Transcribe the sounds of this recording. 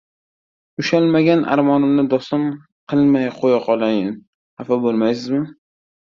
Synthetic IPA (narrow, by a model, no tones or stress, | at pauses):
ʊʃalmaɡʲanʔa̰ɾmɒnɪmnɪd̪ɒsɪm | qʰɨlˠmajqʰojaqʰɒlˠajɪn | hafabolˠmajs̬ɪzmɪ